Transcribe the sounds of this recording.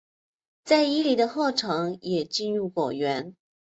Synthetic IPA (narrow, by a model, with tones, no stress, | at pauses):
t͡sa˥˩ɪi˥li˨˩d̪ə˧xo˥˩ʈ͡ʂʰɤ˧˥ŋjɛ˨˩t͡ɕi˥˧nɻu˥˩ko˨˩ɥɛ˧˥n